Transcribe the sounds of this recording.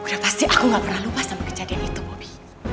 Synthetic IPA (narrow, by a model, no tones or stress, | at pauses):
udahpast̪iʔakuŋɡaʔpərnaluwast̪ampakəd͡ʒadianit̪ubobi